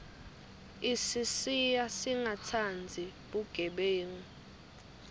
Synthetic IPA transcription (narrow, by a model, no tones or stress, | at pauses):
isisijasiŋʱatʰand͡zʱiɓuɡ̥ʱɛɓeːŋi